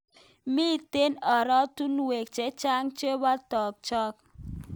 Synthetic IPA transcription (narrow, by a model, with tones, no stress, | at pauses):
miː˦˨te˦nɔ˨ɾɔ˦tu˦nwe˨k̚t͡ʃe˨˦t͡ʃa˦ŋt͡ʃe˦wa˦tɔ˨k̚t͡ʃɔ˦k̚